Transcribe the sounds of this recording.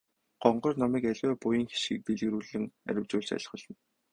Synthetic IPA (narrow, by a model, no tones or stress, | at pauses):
ɢ̥ɔɴɢɞ̆rnɔmiːkæɮʲwæːpʊjĭŋxi̥ʃɡɘ̆k̚t̪eɮɣɘ̆ɾuːɮɘ̆ŋæ̰ɾʲɪ̆wt͡ɕʊːɮt͡ɕæ̰ɮ̆χɞ̆ɮɞ̆n